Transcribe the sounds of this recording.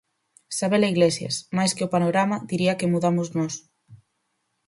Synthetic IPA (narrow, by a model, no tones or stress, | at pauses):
saβelaiɣlesjɐ̰smajskeʊpanoɾamad̪iɾiɐkemuðamʊznɔs